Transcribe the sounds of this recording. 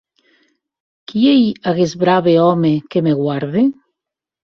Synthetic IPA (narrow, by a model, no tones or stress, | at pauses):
kiejaɣezβɾaβeɔmekemeɣwaɾðe